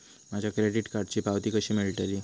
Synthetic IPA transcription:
mad͡ʑʱjakɾeɖiʈkaɾɖ̚t͡ɕiːpaʋt̪iːkəɕiːmelʈəɾiː

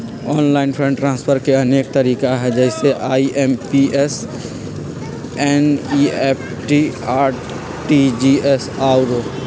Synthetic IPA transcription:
ɔːnlaːɪnpʰɾə̃ɳʈɾãːnspʰəɾkeɐneːk̚t̪ɐɾiːkaɦɛd͡ʒɛːɪseʔaːiʔempiʔes | ɛniːeːpʰ | ʈiaː | ʈid͡ʒiesaːɾoː

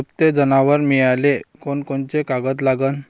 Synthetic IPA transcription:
pt̪ed͡zənaʋəɾmijalekonkont͡ɕekaɡət̪̬laɡən

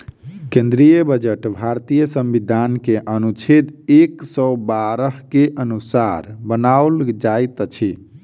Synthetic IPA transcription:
kẽnd̪ɾijəbəd͡ʒəʈbʱaɾt̪ijəsəmʋid̪ʱankeʔənut͡ʃʰit̪eksəbaɾəɦkeʔənusaɾbənaold͡ʒajt̪t͡ʃʰi

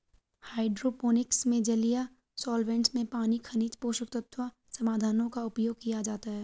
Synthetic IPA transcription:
haːɪɖɾopoːnɪksmẽd͡ʒɐlija | sɔːlʋẽːɳʈsmẽpaːnikʰɐniːt͡ʃ̪poːʃʊk̚t̪ət̪ʰwa | sɐmaːd̪ʱaːnõkaʊpjoːɡ̚kijad͡ʒaːt̪aɦɛː

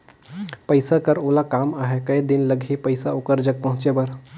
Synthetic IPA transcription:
pəɪjsakəɾoːlakamaɦekəjd̪inləɡʱɦipəɪsaokəɾd͡ʒəɡ̚pəɦʊ̃t͡ʃebəɾ

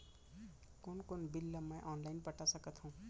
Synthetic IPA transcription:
konkonbilːʌmaʔɔnlajnpʌʈːasʌkʌt̪ʰʌ̃w̃

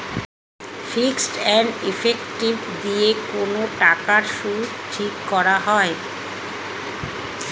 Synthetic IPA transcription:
fiksʈɛnifʰekʈibd̪iekonoʈakaɾʃut̪ʈʰikːɔɾaɦɔe

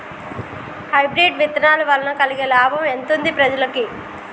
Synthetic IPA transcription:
hɐjbɾeːɖʋit̪ɐnaːluʋɐlːɐnɐkɐliɡelaːbʱɐment̪und̪ipɾɐd͡ʒɐlɐki

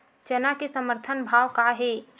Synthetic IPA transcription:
t͡ʃənakesəməɾt̪ʰənbʱaːwkaɦe

